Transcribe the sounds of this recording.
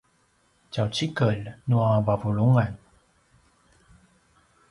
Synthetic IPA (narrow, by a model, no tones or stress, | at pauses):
t͡ɕawt͡ɕikəlnuavavuluŋan